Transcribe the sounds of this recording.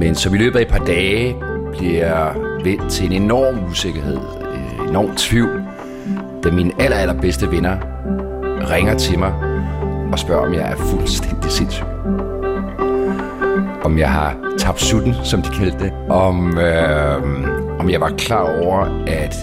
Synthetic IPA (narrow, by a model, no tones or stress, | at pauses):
mensɒ̽milø̰ːb̥ð̩ˠæd̥̚pʰɑ̈ːd̥ɛːb̥liɐjaʋel̥t͡sʰe̝e̝ne̝nɒ̰ːmuse̝ɡ̥ɐhɦe̝ð̰ˠ | enɒ̰ːmt͡sʰʋiʊ̰ | d̥æminælɐælɐb̥esd̥əʋenɐ | ʁeŋɐt͡sʰe̝mɑ̈ɪ | ɒ̽sb̥ɶɐɒ̽mjɑ̈ɪʔæɐfulsd̥en̰d̥ise̝nsy̰ | ʔɒ̽mjɑ̈ɪɦɑ̈t͡sʰɑ̈b̥d̥sud̥n̩sɒ̽md̥i̥kʰæld̥əde | ʔɒ̽m | ɒ̽mjɑ̈ɪʋɑ̈kʰlɑ̰̈ːɒʊ̰ɐʔæd̥